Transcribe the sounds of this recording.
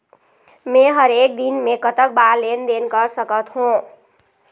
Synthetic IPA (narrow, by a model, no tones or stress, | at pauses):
meɦʌɾek̚d̪inmekʌt̪ək̚balend̪enkʌɾsəkət̪ɦũ